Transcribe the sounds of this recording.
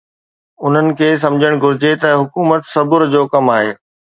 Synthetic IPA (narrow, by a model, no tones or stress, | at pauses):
ʊn̤ənɪ̆kʰeːs̬ɐ̃md͡ʑʱəɽ̃ɡʱʊɾɪd͡ʑet̪ɐɦʊkuːmət̪sɐbʊɾd͡ʑoːkɐmaːɦeː